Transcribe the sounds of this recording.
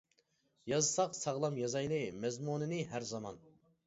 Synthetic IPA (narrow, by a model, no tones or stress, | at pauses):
jɑzɨsɑqsɑʁlˠɑmjɑzɑjnɨmɛzmunɨnɨɦæɾzɑmɑn